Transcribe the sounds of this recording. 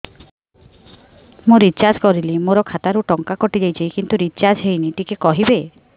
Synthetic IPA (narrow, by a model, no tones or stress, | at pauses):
muɾit͡ʃad͡ʒkɔɾilimoɾɔkʰat̪aɾuʈɔŋkakɔʈid͡ʒajt͡ʃʰikint̪uɾit͡ʃad͡ʒɦejniʈikekɔɦibe